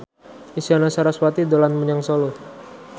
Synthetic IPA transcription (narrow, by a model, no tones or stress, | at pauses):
isianasaɾaswat̪id̪olanmuɲaŋsolu